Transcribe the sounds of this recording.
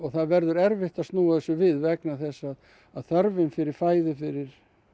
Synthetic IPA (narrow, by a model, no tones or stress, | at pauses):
ɔɣθaðvɛɾðʏɾɛɾvɪht̪aðst̪nuːaθɛsːʏvɪðvɛknaθɛsːað | aðθœɾvɪmfɪɾɪɾ̥faːjðʏfɪɾɪɾ̥